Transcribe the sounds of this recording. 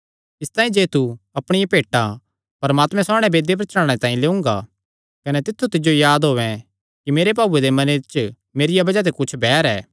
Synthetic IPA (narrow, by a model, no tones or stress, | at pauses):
ɪst̪ãːĩd͡ʒeːt̪uɐpɽ̃ɪjapeːʈːa | pɐɾmaːt̪mɛ̃saːɽ̃ɛ̃beːd̪ep̬ɾɐt͡ʃãːɽ̃et̪ãːĩleːʊ̃ŋɡa̰ | kɐnɛt̪ɪt̪ʰːut̪ɪd͡ʒojaːd̪ɦoːʋɛ̃ | kimeːɾep̬aːbued̪emɐnet͡ʃ | meːɾɪjabɐd͡ʒat̪̬ekʊt͡ʃʰbɛːɾɛː